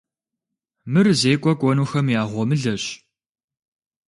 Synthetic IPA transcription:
mɨrzeːkʷʼɔkʷʼɔnuːxɐmjaːʁʷɔmɨɮɐɕ

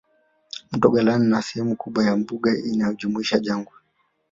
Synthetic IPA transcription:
m̩tɔɡalaninasɛhɛmukuɓwajambuɠainajɔʄumuiʃaʄaŋɡwɛ

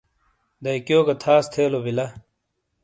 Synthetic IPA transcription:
d̪ɐikjoːɡɐt̪ʰaːst̪ʰeːlobilɐ

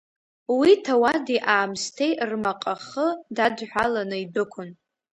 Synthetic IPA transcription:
witʰawadiʔaːmstʰe̞jrmaqʼaχədadħʷᶣalanɨidɨkʷʰʊn

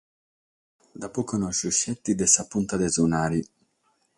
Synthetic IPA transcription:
d̪apɔkɔnɔʃuʃɛt̪ːid̪ɛsapunt̪ad̪ɛzunaːɾi

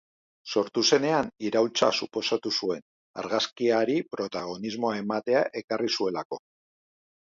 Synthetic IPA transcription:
so̞ɾt̪use̞ne̞aniɾawlt͡sa̰supo̞sat̪usue̞n | a̰ɾɣaskiaɾipɾo̞t̪aɣ̞o̞nizmo̞ae̞mat̪e̞aʔe̞karisue̞lako̞

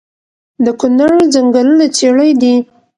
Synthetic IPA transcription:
d̪əkʊnaɾd͡zaŋɡalənat͡seɽəjd̪i

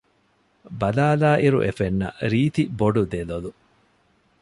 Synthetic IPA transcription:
bɐlaːlaːʔiɾṵʔefenːɐ̰ɾiːt̪iboɖud̪elolu

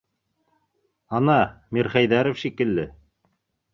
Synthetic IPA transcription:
ɑnɑmiɾχæjðæɾŏfʃikɘ̆lːɘ

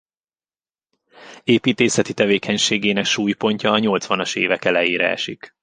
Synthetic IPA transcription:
eːpiːt̪eːsɛt̪it̪ɛveːkʰɛɲʃeːɡeːnɛkʃuːjpo̞ɲcɒːɲo̞lt̪sʋɒnɒʃḛːvɛkɛlɛjeːɾɛ̰ɛ̰ʃik

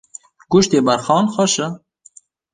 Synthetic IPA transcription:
ɡ̥uʃt̪eːbɐɾxɑːnxɔʃə

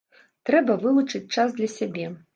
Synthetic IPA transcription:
t̪ɾɛbɐvɨlˠut͡ʂɨt͡sʲt͡ʂazd̪lʲɐsʲabʲɛ

